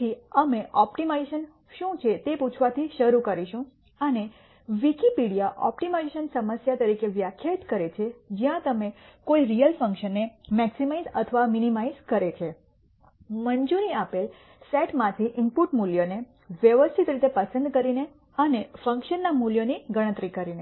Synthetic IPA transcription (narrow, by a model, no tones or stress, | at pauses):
iəmeʔɔpʈimaiʃən | ʃũt͡ʃʰet̪eput͡ʃʰʋat̪ʰiʃəɾukəɾiʃũ | əne | ʋikipiɽijaʔɔ̰pʈimajʃənsəməsjat̪əɾikeʋjakʰjat̪kəɾet͡ʃʰed͡ʒjãt̪əmekoiɾijəlfə̃ŋkʃənːemɛksimaizə̰t̪ʰəʋaminimaizkəɾet͡ʃʰe | mənd͡ʒuniapel | sɛʈmãt̪ʰiʔɪmpuʈmuljone | ʋjəʋəst̪ʰit̪ɾit̪epəsənd̪kəɾine | ənefə̃ŋkʃənːamuljoniɡəɽ̃ə̃t̪ɾikəɾine